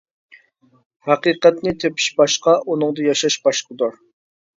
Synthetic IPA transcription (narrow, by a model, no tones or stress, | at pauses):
hæqiqɛt̪nɪt̪ʰepʰi̥ʃbɑʃqɑʔunɨŋd̪ɨjɑʃɑʃbɑʃqəd̪uɾ